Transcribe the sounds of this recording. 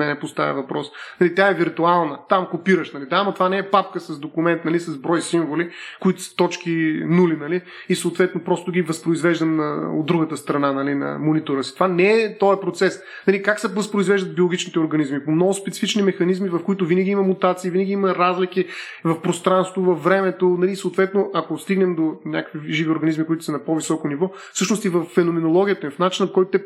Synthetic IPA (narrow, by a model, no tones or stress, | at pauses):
ɛnɛpʊst̪a̰vʲɛ̰vɐpɾɔsnɐlit̪jaɛviɾt̪ualˠnət̪amkopiɾəʃnɐlid̪aamɐt̪ovanɛːpapkəsɐsd̪okʊmɛnt̪nɐlisɐzbɾɔjsiɱvolikʊit̪ʊ̥sə̥t̪ɔt͡ʃkʲinulinɐliː | soʊːt̪vɛt̪nopɾɔst̪ʊɡʲivɐspɾʊizvɛʒd̪əmo̰d̪ɾuɡət̪əst̪ɾɐnanɐlinɐ̰monit̪oɾəsi̥t̪ovanɛɛt̪ɔɛpɾot̪sɛs | nɐlikaksɛvəspɾʊizvɛʒd̪əd̪̚bʲiolˠoɡʲit͡ʃnit̪ɛʊɾɡɐnizmipomnɔɡʊspɛt̪si̥fit͡ʃnimɛxɐnizmivɐfkoʊit̪ʊvinəɡʲiimɐmut̪at̪siːvinəɡʲiimɐɾazlik̟i | vɐfpɾost̪ɾanst̪vovɐfːɾɛmɛt̪onɐlisoːt̪vɛt̪noʔɐkost̪iɡnɛmd̪onʲakə̥kviʒivioɾɡɐnizmikʊit̪ʊ̥sɐnɐpovisɔkonivɔ | fsɤʃnoʊst̪ivɐfːɛnomɛnolˠɔɡʲijət̪əivɐfnat͡ʃinɐpokɔjt̪ʊt̪ɛ